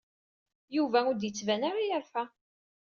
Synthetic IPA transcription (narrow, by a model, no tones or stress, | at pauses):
juvæʊd̪jət͡sːvænaɾijəɾfæ